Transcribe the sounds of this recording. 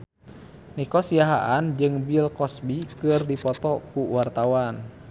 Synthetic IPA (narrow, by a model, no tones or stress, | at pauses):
nikɔsiaɦa̰ʔand͡ʒɨŋbilkɔsbikɨrdipɔt̪ɔkuwart̪awan